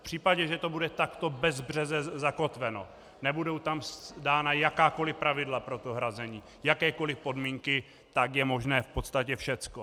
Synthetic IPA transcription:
fpr̝̥iːpaɟɛʒɛt̪o̞budɛt̪akt̪o̞bɛzbrɛzɛzako̞t̪vɛno̞̰ | nɛbudo̞wt̪amsdaːnajakaːko̞lɪpɾavɪdlapɾo̞t̪o̞ɦɾazɛɲiː | jakɛːko̞lɪpo̞dmiːŋkɪ | t̪akjɛmo̞ʒnɛːfpo̞t̪st̪acɛfʃɛt͡sko

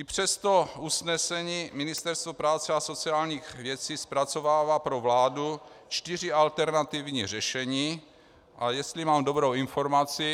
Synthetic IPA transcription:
ʔipr̝̥ɛst̪ousnɛsɛɲiːmɪnɪst̪ɛɾst̪vopɾaːt͡sɛaso̞t͡siaːlɲiːxvjɛt͡siːspɾat͡so̞vaːvapɾovlaːdut͡ʃt̪ir̝ɪalt̪ɛɾnat̪ivɲiːrɛʃɛɲiː | ʔajɛst̪limaːmdobɾowinfoɾmat͡sɪ

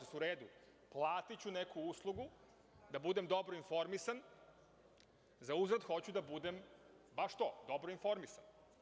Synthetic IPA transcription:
suɾeːd̪u | plˠaːt̪it͡ɕune̞kuuslˠuɡu | d̪abud̪e̞md̪o̞bɾoinfo̞ɾmisan | zauzɾad̪xo̞t͡ɕud̪abud̪e̞m | baʃt̪o̞d̪o̞bɾoinfo̞ɾmisan

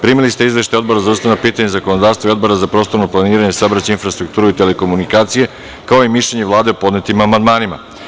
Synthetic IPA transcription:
pɾiːmilist̪eizʋe̞ʃt̪ajo̞d̪bo̞ɾazaust̪anapiːt̪aɲezako̞nod̪aːvst̪vaio̞d̪bo̞ɾazapɾo̞ːst̪o̞ɾno̞plˠaniːɾaɲesabɾat͡ɕeinfɾast̪ɾukt̪uːɾuit̪e̞le̞ko̞munikaːt̪sije̞ | kao̞imiʃʎeɲevlˠaːd̪e̞opo̞d̪net̪imamand̪maːnima̰

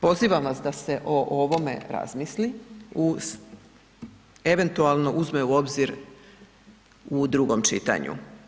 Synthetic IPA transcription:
po̞ziːʋamʋasd̪ase̞ʔo̞ʔoʋo̞me̞̰ɾa̰zmisliu | e̞ʋe̞nt̪ualˠno̞ʔuzmeuo̞bziɾ | ud̪ɾuɡo̞mt͡ʃḭt̪a̰ɲṵ

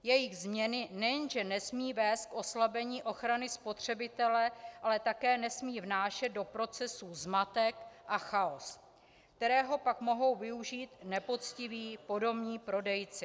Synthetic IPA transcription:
jɛjɪɣzmɲɛnɪnɛjnʒɛnɛsmiːvɛːst̪̚kʔo̞slabɛɲiːʔo̞xɾanɪspo̞t̪r̝̥ɛbɪt̪ɛlɛʔalɛt̪akɛːnɛsmiːvnaːʃɛd̪̚do̞pɾo̞t͡sɛsuzmat̪ɛkʔaxaos | kt̪ɛɾɛːɦo̞pakmo̞ɦo̞wvɪuʒiːt̪nɛpo̞t͡scɪviːpo̞do̞bɲiːpɾo̞dɛjt͡sɪ

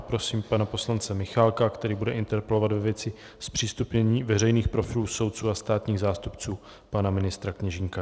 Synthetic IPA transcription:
pɾo̞siːmpanapo̞slant͡sɛmɪxalkakt̪ɛɾiːbudɛʔɪnt̪ɛɾpɛlo̞vad̪vɛvjɛt͡sɪ | spr̥iːst̪upɲɛɲiːvɛr̝ɛjniːxpɾo̞fɪluːso̞wt̪̚t͡suːast̪aːt̪ɲiːɣzaːst̪upt͡suː | panamɪnɪst̪ɾakɲɛʒɪŋka

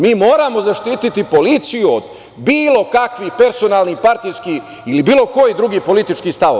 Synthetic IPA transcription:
miːmo̞ːɾamo̞zaʃt̪iːt̪it̪ipo̞lit̪sijuod̪ | biːlˠo̞kakʋipe̞ɾso̞naːlˠnipaɾt̪ijskiː | ilibiːlˠo̞ko̞jid̪ɾuɡiːpo̞lit̪it͡ʃkiːst̪aʋo̰

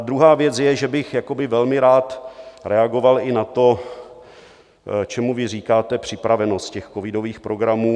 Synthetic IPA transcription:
d̪ɾuɦaːvjɛt͡sjɛʒɛbɪxjako̞bɪvɛlmɪɾaːt̪ɾɛaɡo̞valɪnat̪o̞ | t͡ʃɛmuvɪriːkaːt̪ɛpr̝̥ɪpɾavɛno̞st̪̚cɛxkovɪdo̞viːxpɾo̞ɡɾamuː

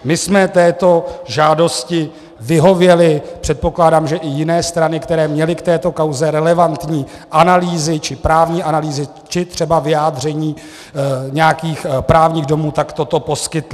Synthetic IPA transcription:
mɪsmɛt̪ɛːt̪o̞ʒaːdo̞scɪ | vɪɦo̞vjɛlɪpr̝̥ɛt̪̚po̞klaːdaːmʒɛʔɪjɪnɛːst̪ɾanɪkt̪ɛɾɛːmɲɛlɪkt̪ɛːt̪o̞kawzɛɾɛlɛvant̪ɲiː | ʔanaliːzɪt͡ʃɪpɾaːvɲiːʔanaliːzɪ | t͡ʃɪt̪r̝̥ɛbavɪjaːd̪r̝ɛɲiː | ɲɛjakiːxpɾaːvɲiːɣdo̞muːt̪akt̪o̞t̪o̞po̞skɪt̪lɪ

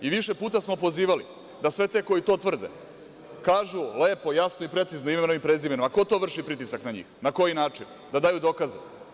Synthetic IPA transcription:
iʋiʃe̞puːt̪asmo̞po̞ziːʋali | d̪asʋe̞t̪e̞ko̞jit̪o̞ːt̪ʋr̩d̪ḛ | kaːʒule̞ːpo̞jasnoipɾe̞t̪siznoimeeno̞ʋimpɾezibenomako̞t̪o̞ːʋr̩ʂʃipɾit̪isaknaɲḭːxnako̞jinaːt͡ʂin | d̪ad̪aːjud̪o̞kaze

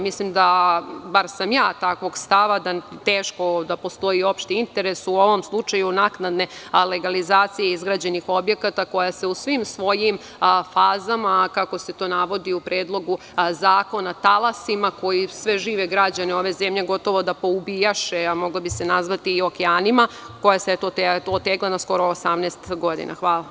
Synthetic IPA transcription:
mislimd̪abaɾsamjaːt̪akʋo̞ɡst̪aʋad̪at̪eːʃko̞d̪apo̞st̪o̞jio̞pʃt̪iint̪e̞ɾe̞suoʋo̞mslˠut͡ʂajunaknad̪ne̞le̞ɡalizaːt̪sijeizɡɾaːd͡ʑe̞nixo̞bje̞kat̪ako̞jase̞usʋimsʋo̞jim | faːzamakako̞se̞t̪o̞ːnaʋo̞d̪iupɾeːd̪lˠo̞ɡu | zaːko̞nat̪alˠasimako̞jisʋeʒiːʋeɡɾad͡ʑaneo̞ʋe̞zemʎeɡo̞t̪o̞ʋo̞d̪apo̞ubijaʃeamo̞ɡlabise̞nazʋat̪iːo̞keaːnima | ko̞jaset̪ot̪t̪oot̪ːeɡlanasko̞ɾo̞ːsamneːst̪ɡo̞d̪ḭna̰xʋaːla

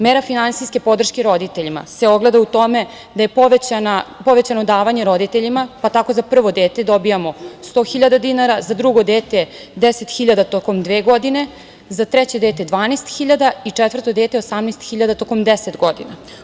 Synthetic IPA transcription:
meɾafinansiske̞po̞d̪r̩ʃkeɾo̞d̪it̪eʎima̰seo̞ɡle̞d̪aut̪o̞me̞ | d̪ajepoʋet͡ɕanapo̞ʋe̞t͡ɕano̞d̪aːʋaɲeɾod̪it̪eʎimapat̪ako̞zapr̩ʋo̞d̪e̞ːt̪e̞d̪o̞bijamo̞st̪o̞ːxiʎad̪ad̪inaɾazad̪ɾuɡo̞d̪eːt̪ed̪ese̞t̪xiʎad̪at̪oko̞md̪ʋeːɡo̞d̪ine̞ | zat̪ɾɛt͡ɕe̞d̪eːt̪ed̪ʋaːnest̪xiʎad̪ait͡ʂɛt̪ʋər̩t̪o̞d̪eːt̪eosamnest̪xiʎad̪at̪o̞ko̞md̪eset̪ɡo̞d̪ḭna

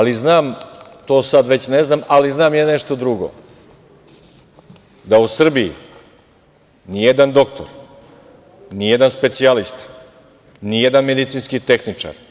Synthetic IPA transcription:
aliznaːmt̪o̞ːsad̪ʋe̞t͡ɕneznaːmaliznaːmjaneʃt̪o̞d̪ɾuɡo̰ | d̪ausr̩biḭ | nijed̪and̪o̞k̚t̪ʰo̰ɾ | nijed̪anspe̞t̪sialist̪ḁ | nijed̪anme̞d̪it̪siːnskit̪e̞xnit͡ʂa̰ɾ

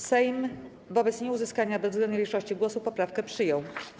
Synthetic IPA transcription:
sɛjm | vɔbɛt̪sɲɛuzɘskaɲabɛzzɡlɛnɲʲiʂɔɕt͡ɕiɡwɔsupɔpɾafkɛpʂɘjɔw

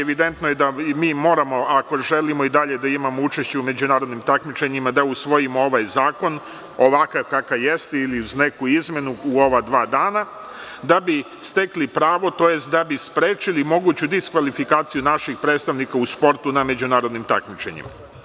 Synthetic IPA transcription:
eʋid̪e̞nt̪nojed̪amiːmo̞ːɾamo̞ako̞ʒe̞limo̞id̪aʎe̞d̪aimamo̞ut͡ʃe̞ʃt͡ɕɛume̞d͡ʑunaːɾo̞d̪nimt̪akmit͡ʃe̞ɲimad̪ausʋo̞jimo̞o̞ʋajzaːko̞n | o̞ʋakakakaje̞st̪eiliuzne̞kuizme̞nuuo̞ʋad̪ʋaːd̪aːna | d̪abi | st̪e̞klipɾaːʋo̞t̪o̞je̞st̪̚d̪abispɾeːt͡ʃilimo̞ɡuːt͡ɕud̪iskʋalifikaːt̪sijunaʃixpɾeːt̪st̪aʋnikauspo̞ɾt̪uname̞d͡ʑunaːɾo̞d̪nimt̪a̰kmit͡ʃe̞̰ɲḭma̰

